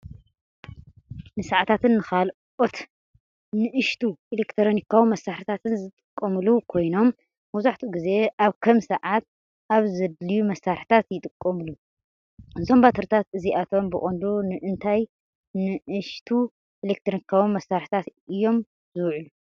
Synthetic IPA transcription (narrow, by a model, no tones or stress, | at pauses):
nɨsaʕat̪ʰat̪ʰɨnːɨkʰal | ot̪ | nɨʔɨʃt̪ʰuʔelekt̪ʰɾonikʰːawumɐsːaħħɨt̪ʰat̪ʰɨnzɨt̪ʼɨkʼːɐmɨlukʰo̞jno̞mː | ɐzaħt̪ʰuɡize̞ʔaβkʰɐmsɐʕat̪̚ | ʔaβzɨd̪lijumɐsːaɾħt̪ʰat̪jɪt̪ʼɨkʼːɐmɨlu | zombat̪ʰɐɾt̪ʰat̪ɨziat̪ʰo̞mbɨχʼond̪unɨʔɨnt̪ʰaj | nɨʔɨʃt̪ʰu | elek̚t̪ʰɾonikʰːawunmːɐsːaɾħi̥t̪ʰat̪ɨjːo̞m | zɨwʕulu